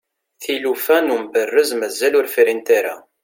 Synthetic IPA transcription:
θilufænumbərːəzmæzːælʊɾfiɾint̪aɾa̰

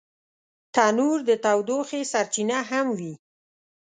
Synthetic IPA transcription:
t̪ɑnuɾd̪ət̪awd̪oxesaɾt͡ʃinaɦamwi

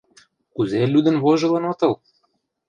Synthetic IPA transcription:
kuzelʲyd̪ə̆nβoʒɤ̆lɤ̆not̪ɤ̆lˠ

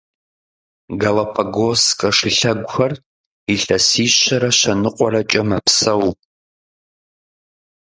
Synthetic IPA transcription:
ɡɐlɐpʰɐɡoskʼɐʂɪɬɐɡʷʊxɐr | iɬɐsiːɕɐɾɐɕɐnɨqʷʼɔrɐt͡ʃʼɐmɐpsɐw

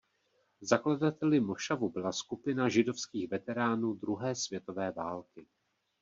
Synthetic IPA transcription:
zakladat̪ɛlɪmo̞ʃavubɪlaskupɪnaʒɪdo̞fskiːxvɛt̪ɛɾaːnuːd̪ɾuɦɛːsvjɛt̪o̞vɛːvaːlkɪ

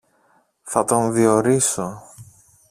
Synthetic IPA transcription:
θɐt̪o̞nðio̞ɾiso̞

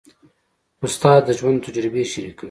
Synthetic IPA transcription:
ʊst̪ɑːd̪ːəʒwand̪t̪ʰːad͡ʒɾɪbeʃiɾikə

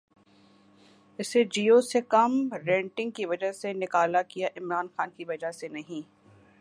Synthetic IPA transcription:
ɪsed͡ʒiːoːsekɐmɾɛ̃ːɳʈɪ̃ŋɡ̚kiʋɐd͡ʒəɦsenɪkaːlakijaʔɪmɾaːnxaːnkiʋɐd͡ʒaɦsenɐɦĩː

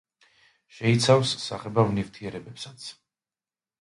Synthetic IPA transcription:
ʃɛit̪sʰafsːaχɛbavnivt̪ʰiɛɾɛbɛpsḁt̪sʰ

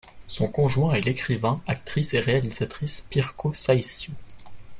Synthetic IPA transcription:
sɔ̃kɔ̃ʒwɛ̃ɛlekχivɛ̃ak̚t̪χiseʁealiz̥at̪χispiʁkosajsju

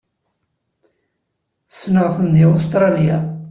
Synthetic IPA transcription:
snəʁθənd̪iost̪ɾˤɑlja

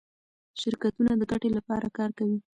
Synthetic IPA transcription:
ʃɪɾkat̪unad̪əɡaʈelapɑɾakɑɾkawi

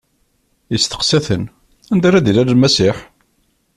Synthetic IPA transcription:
jəst̪ə̥qsæθən | ænd̪æɾæd̪ilæɾəlmæsiħ

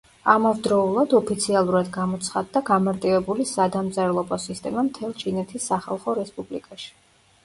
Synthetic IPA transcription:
amavd̪ɾɔulˠad̪ɔpʰit̪sʰialˠuɾad̪ɡamɔt̪sʰχad̪ːaɡamaɾt̪ʼivɛbulisad̪amzʼaɾlˠɔbɔsist̪ʼɛmamt̪ʰɛlˠt͡ʃʰinɛt̪ʰisːaχa̰lˠχɔɾɛspʼublikʼaʃi̥

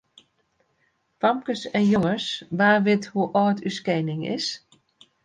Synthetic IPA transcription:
famkəsɛnjoŋəsʋaːʋɪthuʔɔːtyskɛjnɪŋɪ̰s

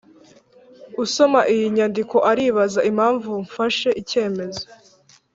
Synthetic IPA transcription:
uso̞maʔijiɲandiko̞ʔaɾiːβazaʔimaːɱvuɱfaʃe̞ʔice̞ːme̞zo

